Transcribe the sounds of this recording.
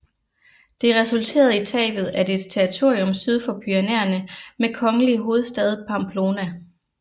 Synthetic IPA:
d̥e̝ʁɛsult͡sʰe̝̰ːɐðˠit͡sʰɛ̰ːb̥ð̩ˠæd̥e̝d̥st͡sʰeʁit͡sʰo̝̰ːiɔ̽msyð̞ˠfɒ̽b̥yænḛːɐnəmekʰɒ̽ŋəliɦo̝ːð̩ˠsd̥ɛð̞ˠpʰɑ̈mpʰlo̝ːnæ

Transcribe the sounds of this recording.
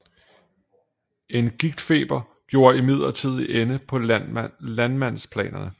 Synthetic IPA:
e̝nɡ̥iɡ̥̚d̥fe̝̰ːb̥ɐ | ɡ̥jo̝ːɐimið̞̰ˠlɐt͡sʰið̞̰ˠiʔenəpʰɒ̽lænmæn̰spʰlɛ̰ːnɐnə

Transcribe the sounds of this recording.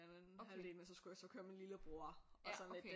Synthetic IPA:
hæled̥̚mesɒ̽sɡ̥ujasɒ̽kʰøɐminliləb̥ʁo̝ɐ̰ɒ̽sɒned

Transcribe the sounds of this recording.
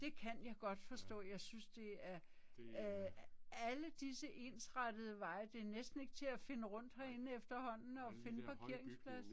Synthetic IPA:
d̥e̝kʰænjɑ̈ɪɡ̥ɒ̽d̥fɒ̽sd̥ɔ̰̽ːjɑ̈ɪsynsd̥e̝æɐ | æləd̥isəʔe̝nsʁɑd̥əð̞̩ˠəʋɑ̈ɪəd̥e̝æɐnesd̥n̩e̝ɡ̥t͡sʰe̝æfe̝nəʁɔ̽n̰d̥hæɐe̝nəefd̥ɐhɒ̽n̰n̩ɒ̽fe̝nəpʰɑ̈kʰe̝ɐ̰eŋspʰlæs

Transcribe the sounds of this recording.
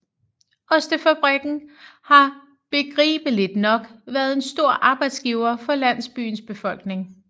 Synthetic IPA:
ɒ̽sd̥əfæb̥ʁɛɡ̥n̩hɑ̈ | b̥e̝ɡ̥ʁḭːb̥əle̝d̥nɒ̽ɡ̥ʋæɐð̞ˠe̝nsd̥o̝ɐ̰ʔɑ̈ːb̥ɑ̈ɪd̥sɡ̥iʊɐfɒ̽læn̰l̩sb̥y̰ːnsb̥e̝fɒ̽l̰ɡ̥ne̝ŋ

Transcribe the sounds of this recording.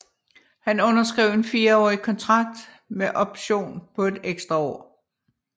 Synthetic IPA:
hænɔ̽nɐsɡ̥ʁɛʊ̰e̝nfiːɐɒ̰ːikʰɒ̽nt͡sʰʁɑ̈ɡ̥̚d̥ | meʔɒ̽b̥ɕo̝̰ːnpʰɒ̽e̝d̥eɡ̥sd̥ʁɐɒ̰ː

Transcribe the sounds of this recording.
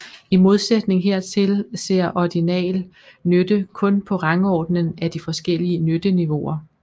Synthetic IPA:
imo̝ð̞ˠsed̥ne̝ŋɦe̝ɐ̰t͡sʰe̝lse̝ɐ̰ʔɒɡ̥inɛ̰ːl | nød̥əkʰɔ̽npʰɒ̽ʁɑ̈ŋɒːd̥nənæd̥ifɒ̽sɡ̥el̰iənød̥əniʋo̝ɐ

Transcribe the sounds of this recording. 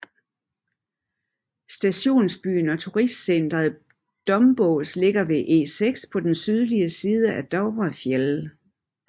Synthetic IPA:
sd̥æɕo̝̰ːnsb̥y̰ːnɒ̽t͡sʰuʁisd̥sen̰d̥ʁɐð̩ˠ | d̥ɒ̽mb̥ɔʊsle̝ɡ̥ɐʋe̝ʔe̝̰ːseɡ̥spʰɒ̽d̥ensyð̞ˠliəsiːð̞ˠəʔæd̥ɒʊbɐfjel

